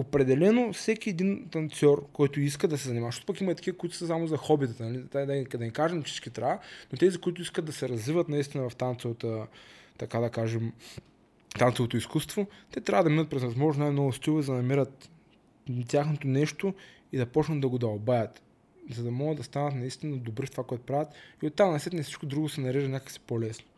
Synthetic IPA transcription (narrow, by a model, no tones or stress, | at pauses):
opɾɛd̪ɛlɛnofsɛkʲiɛd̪int̪ɐnt̪sʲɔɾkɔjt̪ʊiskəd̪ɐsɛzɐnimaʃot̪ʊpɐkimɐit̪ɐ̥kʲivəkoit̪ʊ̥səsamʊzɐxɔbit̪ət̪nɐlit̪ad̪ad̪ɐnʲikaʒɛmfsi̥t͡ʃkit̪ɾaanot̪ɛzikʊit̪̬ʊiskətd̪ɐsɛɾɐzvivət̪nɐist̪ʲinɐvɐft̪ant̪svət̪ət̪ɐkad̪ɐkaʒɛm | t̪ant̪ɛvot̪oiskust̪vot̪ɛt̪ɾʲavɐd̪ɐminət̪̚pɾɛzvɐzmɔʒnsnajmnɔɡʊst̪ʲuvizd̪ɐnɐmiɾət̪ | t̪ʲjaxnot̪onɛʃt̪o | id̪ɐpɔt͡ʃnəd̪d̪ɐɡʊd̪ɐlˠbajɐt̪ | zɐd̪ɐmɔɡəd̪d̪ɐst̪anɐt̪nɐist̪inəd̪obɾift̪ovakoɛt̪ʊ̥pɾavʲət̪iot̪ːamnɐsɛt̪ɛnɛfsit͡ʃkod̪ɾuɡʊsɛnɐɾɛʒənʲakəksi̥polɛsno̥